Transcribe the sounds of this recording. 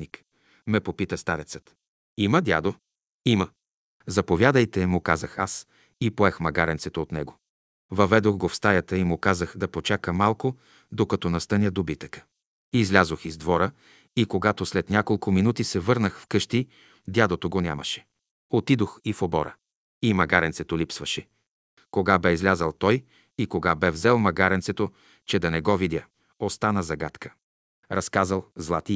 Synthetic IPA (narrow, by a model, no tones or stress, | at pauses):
nik | mɛpopit̪əst̪aɾɛt̪sə̥t̪ | iməd̪ʲa̰d̪o | imə | zɐpovʲjad̪əjt̪ɛmʊkazəxas | ipoɛxmɐɡaɾɛnt̪sɛt̪oːt̪nɛ̰ɡo | vɐvɛd̪oxɡofst̪ajət̪əimʊkazəxd̪ɐpot͡ʃakəmalˠko | d̪okɐt̪ɔnɐst̪ənʲəd̪obit̪əkə̥ | izlʲazoxizd̪vɔɾə | ikoɡat̪oslɛt̪nʲakolˠkʊminut̪isɛvɤɾnəxfkɤʃt̪i | d̪ʲad̪ˠot̪oɡonʲa̰mɐ̰ʃɛ̥ | ot̪id̪oxifobɔ̰ɾə̰ | imɐɡaɾɛnt̪sɛt̪olipsvɐʃɛ | koɡabɛizlʲazəlˠt̪ɔj | ikoɡabɛvzɛlˠmɐɡaɾɛnsɛt̪o | t͡ʃɛd̪ɐnɛɡɔvid̪ʲjə | ost̪anəzɐɡat̪kə̥ | ɾɐskazəlˠzlˠat̪i